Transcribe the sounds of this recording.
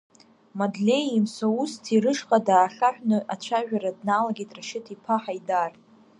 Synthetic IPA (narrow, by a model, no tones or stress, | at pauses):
madlʲe̞jimsʷaustʰiɾɨʂχʼadaːχaħʷᶣnɨʔat͡ʃʷʰaʒᶣaɾadnalaɡʲejtʼraʃɪtʰipʰaħajdartʼ